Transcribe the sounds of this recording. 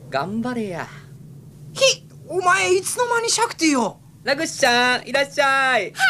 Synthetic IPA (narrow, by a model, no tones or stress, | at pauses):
ɡambaɾeja | çi | omaeit͡sɨnomaɲʲiɕakɯ̥t̪ejo | laɡɯɕaiɾaɕaj